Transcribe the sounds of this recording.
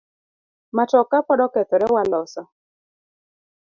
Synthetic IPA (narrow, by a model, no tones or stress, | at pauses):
mat͡ʃɔkapɔɗɔkɛt̪ɔɾɛwalɔsɔ